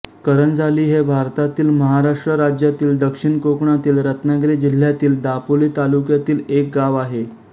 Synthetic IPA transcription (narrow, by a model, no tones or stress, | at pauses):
kəɾənd͡zʱaliːɦebʱaɾt̪at̪iːlməɦaɾaʂʈɾəɾad͡ʑjat̪iːld̪əkʂiɳkokɳat̪iːlɾət̪naɡɾed͡ʑil̤ːjat̪iːld̪apoliːt̪alukjat̪iːlek̚ɡaʋaɦe